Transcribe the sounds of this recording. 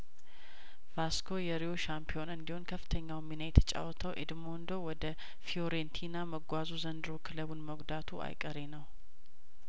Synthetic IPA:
v̥askʰojɛɾioʃampʰio̞nɨnd̪ihonkʰəfːɨ̥t̪ʰəɲːawjɛmːinəjt̪ʰə̥t͡ʃʼa̰wt̪ʰəwʔed̪mo̞nd̪o̞wɔd̪ə | fioɾent̪ʰinaməɡʷazuzənd̪ɨɾokʰɨləβunməɡd̪at̪ʰua̰jkʼəɾe̞nəw

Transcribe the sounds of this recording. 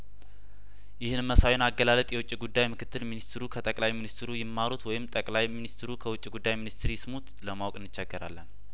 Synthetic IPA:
jɪhɨnɨmːəsajonaɡːəlalət̪ʼjɛwʊt͡ʃʼːiɡud̪ːajmɨkʰɨt̪ːɨlminist̪ɾukʰət̪ʼəkʼlajminist̪ɾujɪmːaɾut̪wɔjɪmt̪ʼəkʼlajminist̪ɾukʰəwʊt͡ʃʼːiɡud̪ːajminist̪ɾijɪsmut̪ləmawkʼɨnːɨt͡ʃːɛɡːəɾa̰lːən

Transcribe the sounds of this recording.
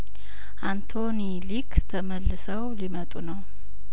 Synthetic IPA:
ʔant̪ʰonilikʰt̪ʰəməlːɨsəwlimət̪ʼunəw

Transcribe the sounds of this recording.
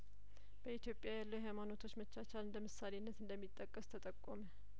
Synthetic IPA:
b̥əit̪jo̞pʼjajalːəwɦajmano̞t̪ʰo̞t͡ʃːmət͡ʃːat͡ʃalɨnd̪əmɨsːalenːət̪ɨnd̪əmːit̪ʼːəkʼːəst̪ʰət̪ʼəkʼːomə

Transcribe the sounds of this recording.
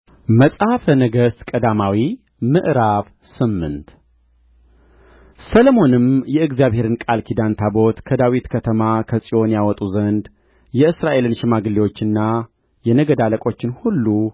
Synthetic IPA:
məsʼhafənəɡəst̪kʼəd̪amawi | mɨʔɾaβ | sɨmːɨ̰nt̪ | sələmo̞nɨmjɛɨɡzijaβhe̞ɾɨnkʼalkʰid̪ant̪ʰabo̞t̪kʰəd̪awit̪kʰət̪ʰəmakʰəsʼio̞njawɔt̪ʼuzənd̪ | jɛɨsɾaʔe̞lɨnʃɪmaɡɨlːewo̞t͡ʃːɨnːa | jɛnəɡəd̪aləkʼo̞t͡ʃːɪnhulːu

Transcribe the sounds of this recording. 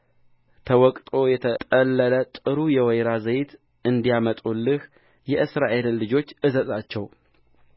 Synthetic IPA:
t̪ʰəwɔkʼt̪ʼo̞jɛt̪ʰət̪ʼəlːələt̪ʼɨɾujɛwɛjɾazəjt̪ | ɨnd̪ijamət̪ʼulːɨh | jɛʔɨsɾaʔe̞lːɨd͡ʒo̞t͡ʃːʔɨzəzʼat͡ʃːɛw

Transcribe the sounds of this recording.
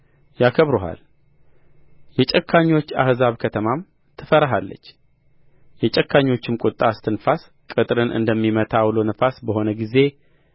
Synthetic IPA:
jakʰəβɾuɦa̰l | jɛt͡ʃʼɛkʰːaɲːo̞t͡ʃːahzaβkʰət̪ʰəmam | t̪ʰɨfəɾaɦalːə̰t͡ʃː | jɛt͡ʃʼɛkʰːaɲːo̞t͡ʃːɪmkʼʊt̪ʼːast̪ʰɨnfas | kʼɨt̪ʼɾɨnʔɨ̰nd̪əmːimət̪ʰawlonəfasbəho̞nəɡize̞

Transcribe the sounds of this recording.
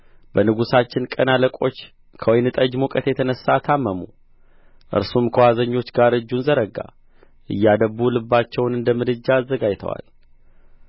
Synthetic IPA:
b̥ənɨɡusat͡ʃːɪnkʼənaləkʼo̞t͡ʃː | kʰəwojnɨt̪ʼəd͡ʒmukʼət̪jɛt̪ʰənəsːat̪ʰamːəmu | ʔɨ̰ɾsumkʰəwazəɲːo̞t͡ʃːɡaɾɨd͡ʒːunzəɾəɡa̰ | ʔɨ̰jːad̪əbulɨbːat͡ʃːɛwnɨnd̪əmɨd̪ɨd͡ʒːaːzːəɡajt̪ʰə̰wa̰l

